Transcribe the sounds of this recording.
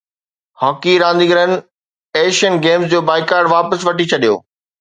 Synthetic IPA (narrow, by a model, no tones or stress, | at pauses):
hɔːkiɾãːnd̪iɡəɾənɪ̆ | eːʃənɡeːmsd͡ʑoːbaːɪkaːɾɖʋaːpəsʋɐʈit͡ɕʰɐɗijo̰ː